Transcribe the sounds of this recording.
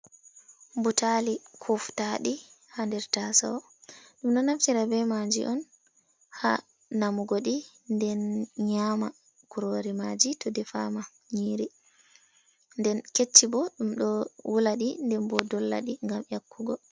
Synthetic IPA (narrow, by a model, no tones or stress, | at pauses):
mbutalikʰɔftaɗihandɛɾtasa̰w | ɗumɗɔnaft͡ʃiɾabɛmad͡ʒḭʔɔn | ha̰ | namuɡoɗi | ndɛnɲama | kuɾoɾimad͡ʒitɔdɛfama | ɲiɾi | ndɛnket͡ʃːibɔɗumɗɔwulaɗindɛmbɔdɔlːa̰ɗiŋɡamjakːuɡɔ